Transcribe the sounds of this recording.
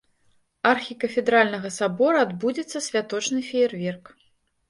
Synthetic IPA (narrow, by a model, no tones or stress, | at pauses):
arxʲikɐfʲɛd̪ɾalʲnɐɣɐsabɔɾɐad̪bud͡zʲɛt̪sːɐsʲvʲat̪ɔt͡ʂnɨfʲɛɛrvʲɛrk